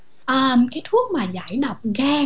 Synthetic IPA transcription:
ʔəː˨˩mkaː˨˦jt̪ʰu˦˥ək̚maː˨˩za̰ː˧˨˦jɗa˨˩wk͡p̚ɣaː˧

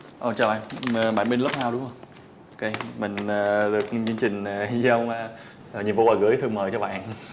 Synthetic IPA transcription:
ʔə˨˩t͡ɕaː˨˩wɓaː˧˨nː˨˩ɓa̰ː˧˩nɓi˧nlə˦˥p̚haː˧wɗʊ˨˦ŋ͡mhə˧˩wŋ͡m | ʔo˧ke˧mï˨˩ŋ̟əː˨˩ɗɨ˨˩ək̚t͡ɕɨ˧ŋt͡ɕï˨˩ŋ̟˨˩zi˧ə˧wŋ͡mː | ɲi˨˩əmvo˧aː˨˩ɣɨ̰˨˧˦əjt̪ʰɨ˧əŋməː˨˩jt͡ɕɔ˧˩ɓa̰ː˧˨n

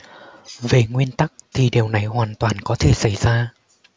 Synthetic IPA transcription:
ve˨˩ŋwi˧ənt̪a˦˥k̚t̪ʰi˨˩ɗi˨˩əwna˨˩jhwaː˨˩nt̪waː˨˩nkɔ˨˦t̪ʰe˧˩sa˧˩jz̥aː˧

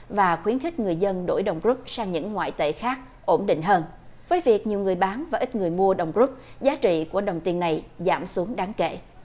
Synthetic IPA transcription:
vaː˨˩xwi˨˦ənxi˦˥k̟̚ŋɨ˨˩əjzə˧nɗo̰˧˩jɗə˨˩wŋ͡mzu˦˥p̚saː˧ŋɲɨ̰˧˥ŋːwa̰ː˧˨jt̪ḛ˧˨˩xaː˦˥k̚ | ʔo˧˩nɗḭ˧˨ŋ̟ɦəː˧n | vəː˨˦jvi˨˩ək̚ɲi˨˩əwŋɨ˨˩əjɓaː˨˦nvaː˨˩ʔï˦˥t̟̚ŋɨ˨˩əjmu˧əɗə˨˩wŋ͡mzu˦˥p̚zaː˨˦t͡ɕḭ˧˨ku˧˩əɗə˨˩wŋ͡mt̪i˧ənːa˨˩jza̰ː˧˩msu˨˦əŋɗaː˨˦ŋkḛ˧˨

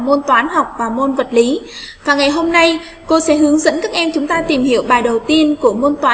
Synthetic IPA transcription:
mo˧nt̪waː˨˦nɦa˨˩wk͡p̚vaː˨˩mo˧nvə˨˩t̚li˨˦vaː˨˩ŋa˨˩jɦo˧mna˧j | ko˧sɛ̰˧˥ɦɨ˨˦əŋzə̰˧˥nkaː˦˥k̚ʔɛ˧mt͡ɕʊ˨˦ŋ͡mt̪aː˧t̪i˨˩mhi˧˨əwɓaː˨˩jɗə˨˩wt̪i˧ənku˧˩əmo˧nt̪waː˨˦

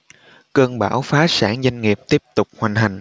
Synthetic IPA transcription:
kəː˧nɓaː˧˩wfaː˨˦saː˧˩ŋza˧jŋ̟ŋi˨˩əp̚t̪i˦˥əp̚t̪ʊ˨˩k͡p̚hwa˨˩jŋ̟ɦa˨˩jŋ̟

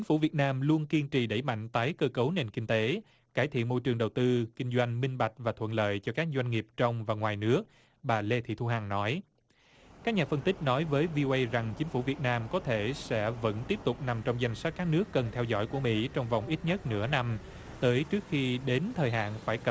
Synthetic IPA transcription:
t͡ɕi˨˦ŋ̟fu˧˩vi˨˩ət̚naː˧mlu˧ənki˧ənt͡ɕḭ˧˨ɗə˧˩jma̰˧˨jŋ̟t̪aː˨˦jkəː˧kə˨˦wne˨˩nkï˧ŋ̟t̪e˨˦ | kaː˧˩jt̪ʰḭ˧˨ənmo̰˧jt͡ɕɨ˨˩ŋɗə˨˩wt̪ɨ˧kï˧ŋ̟zwa˧jŋ̟mï˧ŋ̟ɓa˨˩jk̟̚vaː˨˩t̪ʰwə̰˧˨nlə̰ː˧˨jt͡ɕɔ˧kaː˦˥k̚zwa˧jŋ̟ŋi˨˩əp̚t͡ɕɔ˧wŋ͡mvaː˨˩ŋwaː˨˩jnɨ˦˥ək̚ | ɓaː˨˩le˧t̪ʰḭ˧˨t̪ʰu˧ɦaː˨˩ŋnɔ˨˦j | kaː˦˥k̚ɲaː˨˩fə˧nt̪ï˦˥k̟̚nɔ˨˦jvəː˨˦jvi˧ʔo˧ʔə˧jza˨˩ŋt͡ɕï˨˦ŋ̟fu˧˩vi˨˩ət̚naː˧mkɔ˨˦t̪ʰe˧˩sɛ̰˧˥və̰˧˥nt̪i˦˥əp̚t̪ʊ˨˩k͡p̚na˨˩mt͡ɕɔ˧wŋ͡mza˧jŋ̟swa˦˥t̚kːaː˦˥k̚nɨ˦˥əkːə˨˩nt̪ʰɛ˧wzɔ̰˧˥˩jku˧˩əmḭ˧˥t͡ɕɔ˧wŋ͡mva˨˩wŋ͡mʔi˦˥t̚ɲə˦˥t̚nɨ̰˧˥əna˧m | t̪əː˨˦jt͡ɕɨ˦˥ək̚xi˧ɗe˨˦nt̪ʰəː˨˩jɦa̰ː˧˨nfaː˧˩jkə˨˩p̚

